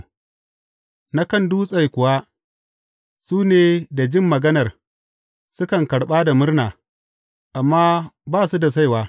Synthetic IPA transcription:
na˦kɐ˦˨nduː˦sʼa˦˨jkʷʊ˨wa˦ | suː˦neː˨da˨d͡ʒɪ˦mːɐ˨ɡɐ˦nɐ˨r | sʊ˦kɐ˨ŋkɐ˨ɽɓaː˦da˨mʊ˦rnaː˨ | ʔa˨mːaː˦baː˦˨su˦da˨s̬a˦jwaː˦

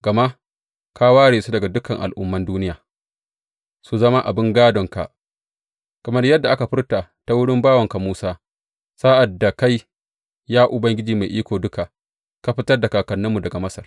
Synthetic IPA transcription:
ɡ̥ɐ˨ma˦ʔ | ka˦waː˦ɽeː˨su˦dɐ˨ɡa˨dʊ˦kɐ˨ŋʔa̰˨lʔʊ̰˦mːɐ˦nduː˦nɪ˦jaː˨ | su˨zɐ˦ma˦ʔa̰˨bɪ˦ŋɡaː˦dɔ˨ŋka̰˨ʔ | kɐ˨mɐ˦rjɐ˦dːa˨ʔa˦ka˨ɸɪ˦rta˨ta˦wʊ˦ɽɪ˦mbaː˦wɐ˨ŋka˨muː˦saː˦ | saː˦ʔa˨dːa˨ka˦j | jaː˦ʔʊ˨bɐ˦ŋɡʲɪ˦d͡ʒiː˨ma˨ʔiː˦kʷoː˨dʊ˦ka˨ | ka˦ɸɪ˦tɐ˦rda˨kaː˨kɐ˨nːɐ˦mːu˨dɐ˨ɡa˨mɐ˦sɐ˨r

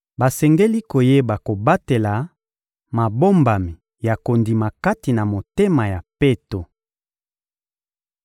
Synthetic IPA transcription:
ba˨sɛ˨ŋɡe˦li˦ko˨je˦ba˨ko˨ba˦te˨la˨ | ma˨bo˦mba˨mi˨ | ja˨ko˨ndi˨ma˨ka˦ti˨na˨mo˨te˦ma˨ja˨pe˦to˨

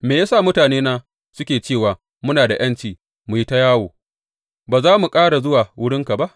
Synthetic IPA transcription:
meː˨jaː˦saː˦˨mʊ˦taː˨neː˦naː˦ | sʊ˦kʲeː˨t͡ʃeː˦˨waː˨ | mʊ˦naː˨da˨j̰ɐ˦nt͡ʃiː˨ | mu˨ji˦ta˦jaː˦woː˨ | baː˨zaː˦mu˨kʼaː˦ɽa˨zʊ˦waː˨wʊ˦ɽɪ˦ŋka˨ba˦ʔ

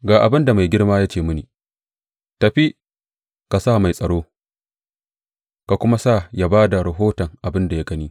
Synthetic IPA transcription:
ɡaː˨ʔa˨bɪ˦nda˨ma˨jɡʲɪ˦ɽmaː˦jaː˦t͡ʃeː˦˨mʊ˦niː˨ | tɐ˨ɸi˦ | ka˨sa˦˨ma˨jsʼɐ˨ɽoː˦ | ka˨kʷʊ˦ma˦sa˦˨ja˦baː˦da˨ɽɐ˨ɦoː˦tɐ˨ŋʔa˨bɪ˦nda˨ja˦ɡɐ˦niː˦

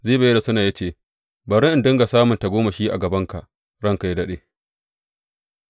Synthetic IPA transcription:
zeː˦˨ba˦da˨sʊ˦naː˨ja˦t͡ʃeː˦˨ | ba˨ɽɪ˦ʔɪ˨ndɪ˦ŋɡa˨saː˦mʊ˨nta˨ɡʷoː˦ma˨ʃiː˦ʔa̰˨ɡɐ˨bɐ˦ŋka˨ʔ | ɽɐ˦ŋka˨ji˦dɐ˦ɗeː˦˨

